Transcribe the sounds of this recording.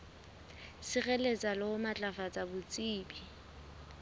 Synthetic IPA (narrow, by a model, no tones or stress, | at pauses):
sɪɣɛlet͡sʼalɪʊmat͡ɬʼafat͡sʼabʊt͡sʼiːbi